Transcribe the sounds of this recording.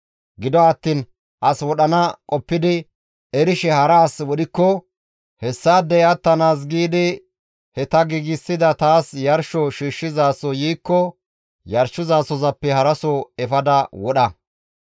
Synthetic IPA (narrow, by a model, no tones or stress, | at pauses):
ɡɪd̪ɔɐt̪ːiːn | ʔɐswɔɗɐnɐkʼɔpːɪd̪ɪ | ɛɾɪʃɛhɐɾaːswɔɗɪkːɔ | hɛsːaːd̪ɛjɐt̪ːɐnaːs̬ɡiːd̪ɪ | hɛt̪ɐɡiɡɪsːɪd̪ɐt̪aːsjɐɾʃɔʃiːʃːɪzaːsɔjiːkːɔ | jɐɾʃʊzaːsɔzɐpːɛhɐɾɐsɔɛfɐd̪ɐwɔɗɐ